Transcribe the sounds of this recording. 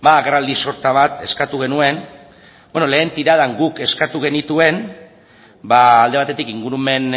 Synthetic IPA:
baaɣerald̪iso̞ɾt̪aβ̞at̪e̞skat̪uɣ̞e̞nue̞n | boeno̞le̞ːnt̪iɾaðaŋɡuke̞skat̪uɣ̞e̞nit̪ue̞n | baːld̪e̞at̪e̞t̪ikiŋɡuɾume̞n

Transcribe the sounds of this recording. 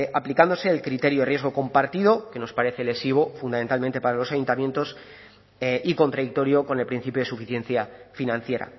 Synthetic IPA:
aplikand̪o̞se̞ːlkɾit̪e̞ɾjoðrjeɣ̞o̞ko̞mpaɾt̪iðo̞ke̞no̞spaɾe̞θe̞le̞siβ̞o̞fund̪ament̪alment̪e̞paɾalo̞sajunt̪amje̞nt̪o̞s | ʔiko̞nt̪ɾaðik̚t̪o̞ɾjo̞ko̞ne̞lpɾin̟θipjoe̞sufiθje̞n̟θjafinãn̟θje̞ɾa̰

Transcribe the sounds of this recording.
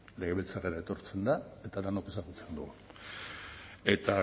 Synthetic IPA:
le̞ɣeβelt͡sareɾaet̪o̞ɾt͡se̞nd̪ae̞t̪aðanoke̞saɣut͡send̪uɣun | e̞t̪a

